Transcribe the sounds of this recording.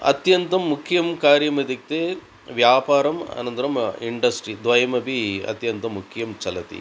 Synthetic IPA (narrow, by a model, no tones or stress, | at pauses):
ɐ̰t̪jɐnt̪ɐmːukʰːjɐmkaːɾjɐmɐd̪ik̚t̪eː | ʋjaːpaːɾɐmɐ̰nɐnt̪ɐɾɐmiɳɖɐsʈɾid̪ʋɐjɐmɐbiɐ̰t̪jɐnt̪ɐmːukʰːijɐmt͡ʃɐlɐt̪ḭ